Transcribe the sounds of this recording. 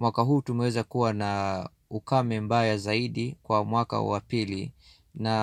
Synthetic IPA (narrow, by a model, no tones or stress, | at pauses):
mwakaɦuːtumɛwɛzakuwana | ukamɛmbajazaiɗikwamwaka̰wa̰pili | na